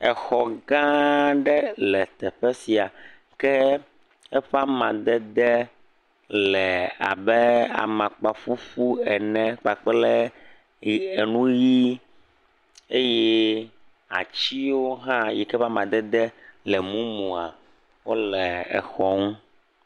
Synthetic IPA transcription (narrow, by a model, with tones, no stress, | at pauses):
ɛ˨xɔ˨ɡã˦ɖɛ˦lɛ˨t̪ɛ˨ɸɛ˦si˨a˨ | kɛ˦ | ɛ˦ɸa˦mã˨d̪ɛ˦d̪ɛ˦ | lɛ˨a̰˨bɛ˦a̰˨mã˨k͡pa˨fu˦fu˦ɛ˨nɛ̃˦k͡pa˨k͡plɛ˦ | e˨nũ˦ji˦ | e˦jɛ˦ | a̰˨t͡ɕi˦wo˦ɦã˦jɛ˨kɛ˦ɸa˦mã˨d̪ɛ˦d̪ɛ˦lɛ˨mũ˦mũ˨a̰˨ | wo˦lɛ˨ɛ̰˨xɔ˦ŋũ˦